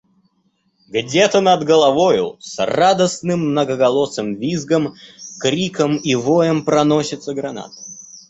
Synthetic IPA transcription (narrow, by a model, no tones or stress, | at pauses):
ɡdʲet̪ənɐd̪ɡəlˠɐvojʊ̰srad̪əsnɨmːnəɡəɡɐlˠosəmvʲizɡəmkɾʲikəmivojəmpɾɐnosʲɪt̪səɡɾɐna̰t̪ə̥